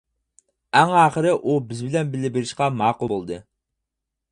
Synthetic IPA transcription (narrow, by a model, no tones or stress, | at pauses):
æŋɑːχəɾɪʔubɪzbɪlɛnbɪlːɪbɪɾɪʃqɑmɑːqulˠbolˠd̪ɨ